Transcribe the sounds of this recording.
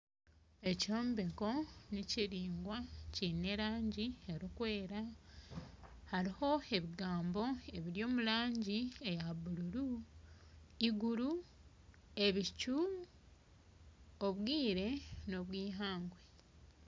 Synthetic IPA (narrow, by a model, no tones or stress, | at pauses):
e̞cioːmbe̞ko̞niciɾiːŋɡwacine̞ɾaːɲɟieɾikwe̞ːɾa | haɾiho̞e̞βiɡaːmbo̞e̞βiɾjo̞ːmulaːɲɟiejaβululu | iɡuɾu | e̞βicu | oβwiːɾe̞no̞βwiːɦaːŋɡwe